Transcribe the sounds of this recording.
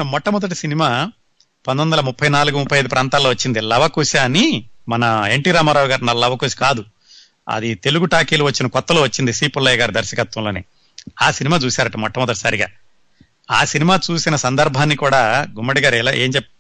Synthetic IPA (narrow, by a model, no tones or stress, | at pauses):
mɔʈːɐmɔd̪ɐʈ̬isinimaː | pɐnd̪ɐond̪ɐlɐmupʰːɐjnaːluɡumupʰːɐjɐjd̪upɾʔaːnt̪aːlːoːʋɐt͡ʃːind̪ilɐʋɐkuːsaːnimɐnɐeɳʈiːɾaːmaːɾaːʋuɡaːɾinɐlːɐlːɐʋɐkuːsi̥kaːd̪u | ɐ̰d̪it̪e̞luɡuʈaːkiːluʋɐt͡ʃːinɐkɔt̪ːɐloːʋɐt͡ʃːind̪isiːpulːɐjɡaːɾid̪ɐɾʃɐkɐt̪ʋɐmloːnḛː | aːsinimaːt͡ʃuːsaːɾɐʈɐmɔʈːɐmɔd̪ɐʈi̥sɐɾiɡa̰ː | a̰ːsinimaːt͡ʃuːsinɐsɐnd̪ɐɾbʱaːnːikuːɽaːɡumːɐɽiɡaːɾɛlaːʔeːɲt͡ʃɛpː